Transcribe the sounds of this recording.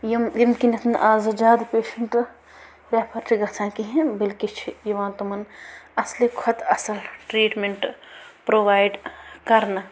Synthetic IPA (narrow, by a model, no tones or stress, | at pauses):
jmjimkinɐt̪ʰnʔaːzɐd͡ʒaːd̪peːʃɐɳʈ | ɾɛːpʰɐɾt͡ʃʰiɡɐt̪ʰãːkiɦẽbɪlkit͡ʃʰijiʋãːt̪ɐmɐnɐslikʰɐt̪ʰɐsɐlʈɾiːʈmeɳʈpɾoːʋaːjɖkɐɾna